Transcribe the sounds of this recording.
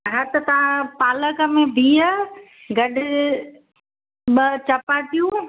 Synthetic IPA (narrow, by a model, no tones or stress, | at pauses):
ɦət̪t̪ɐʋãpaːləkəmẽbʱiːəɡɐɗɪ | ɓət͡ɕɐpaʈ̪ijũː